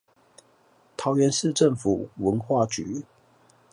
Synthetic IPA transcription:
t̪ʰɑ˨˦˥ʊɥɛ˧˦nʂɻ̩˥˧ʈ͡ʂə˥˨˩ŋfṵ˨˩wə˧˦nxwa˥˩t͡ɕy˨˥˦

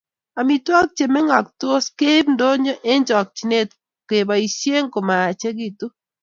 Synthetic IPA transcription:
a˨mi˨twa˦k̚t͡ʃe˨mɛ˦ŋa˨kto˦ske˦bndo˦ɲo˦ʔe˦ɲd͡ʒɔ˨k̚t͡ʃi˨ne˦t | ke˨ba˨i˨ʃje˦ŋko˨ma˨a˨t͡ʃe˦ɡi˦tu˦

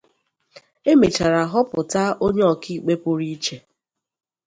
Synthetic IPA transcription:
e˦me˨t͡ʃa˨ɾa˨ɦɔ˦pʊ˨ta˦ʔo˦ɲe˦ɔ˨ki˦˨k͡pe˦pʊ˦ɾi˦t͡ʃe˨

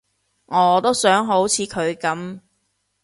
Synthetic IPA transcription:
ŋɔː˨˧t̪o˥wsœː˨˥ŋɦo˨˥wt͡sʰiː˨˥kʰɵ˨˧ɥkɐ˨˥m

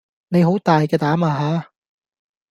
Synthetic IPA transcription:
ne˨˧jɦo˨˥wt̪aː˨jkɛː˧t̪aː˨˥maː˧ɦaː˨˧˥

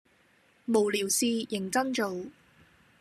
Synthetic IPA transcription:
mo˨˩wliː˨˩wsiː˧jɪ˨˩ŋt͡sɐ˥nt͡ʃo˨w

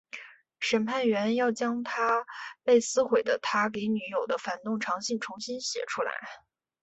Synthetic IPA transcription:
ʂə˨˩npʰa˥˩nɥɛ˧˥njɑ˥˩ʊt͡ɕjɑ˥ŋt̪ʰa˥pe˥˩ɪsɹ̩˥xwe˨˩ɪd̪ə˦t̪ʰa˥ke˧˥ɪny˧˥jo˨˩ʊd̪ə˦fa˨˩nt̪ʊ˥˩ŋʈ͡ʂʰɑ˧˥ŋɕi˥˩ŋʈ͡ʂʰʊ˧˥ŋɕi˥nɕjɛ̰˨˩ʈ͡ʂʰu˥la̰˧˥ɪ

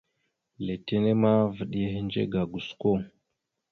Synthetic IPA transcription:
le˨te˦ne˦ma˦və˨ɗi˦je˦ɦe˦nd͡ʒḛ˦ɡa˨ɡu˨su̥˨ko˦

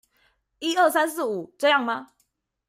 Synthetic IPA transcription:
i˦ə˥˩sa˦ns̬ɹ̩˥˩u˨˩ʈ͡ʂɤ˥˧jɑ˥˩ŋma˦

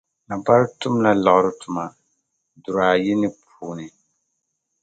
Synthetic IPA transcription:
na˨ba˦ɾtʊ˦m˦la˦la˨ʔɾʊ˦tʰʊ˨ma˨ | dʊ˨ɾaː˨ji˦nɪ˦pʰ | uː˦nɪ˨

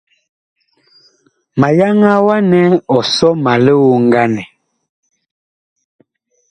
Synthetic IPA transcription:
ma˨ja˦ŋa˦wa˦nɛ˦ɔ˨sɔ˦ma˨le˦wo˦ŋ˦ɡa˦nɛ˨

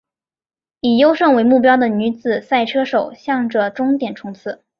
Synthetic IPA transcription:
i˨˩jo˥ʊʂɤ˥˩ŋwe˧˥ɪmu˥˩p̬jɑ˥ʊd̪ə˨ny˧˥t͡sɹ̩˨˩sa˥˩ɪʈ͡ʂʰɤ˥ʂo˨˩ʊɕjɑ˥˩ŋʈ͡ʂə˩ʈ͡ʂʊ˥ŋt̪jɛ˨˩nʈ͡ʂʰʊ˧˥ŋt͡sʰɹ̩˥˩˦

